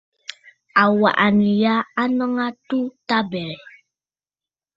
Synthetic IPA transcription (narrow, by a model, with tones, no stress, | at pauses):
a˨wa̰˨ʔa˨ni˨ja˦a˦nə˦ŋa˦tu˦ta˦bɛ˨ɾɛ˨